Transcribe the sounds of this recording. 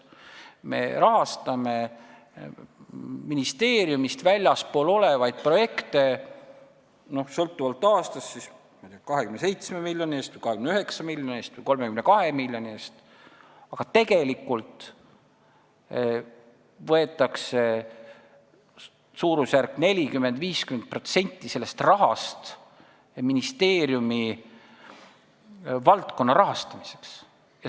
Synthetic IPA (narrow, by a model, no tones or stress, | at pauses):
me̞̰ɾɑɦɑst̪ɑme̞ | minist̪e̞ːɾjumist̪vælʲjɑspo̞ːlo̞le̞vɑjd̪̥̚pro̞je̞kt̪e̞ | no̞hsɤlt̪ːˑuvɑlt̪ːˑɑːst̪ɑsːis | mɑjd̪̥ʲɑkɑɦekymnese̞jt̪smemilʲjo̞nʲieːst̪vɨjkɑhekymnyɦeksɑmilʲjonʲeːst̪vɨjko̞lmekymne̞kɑhe̞milʲːjo̞nieːst̪ | ɑɡ̥ɑt̪e̞ɡe̞likːˑult̪ˑ | vɤe̞t̪ːˑɑkse̞ | suːɾusjærkːˑne̞lʲikymːe̞nd̪viːskyme̞nt̪̚pro̞t̪se̞nʲt̪ːˑise̞lːe̞st̪rɑɦɑst̪ | minist̪e̞ːɾjumi | vɑlt̪ko̞nːɑɾɑɦɑst̪ɑmise̞̥ks | jɑ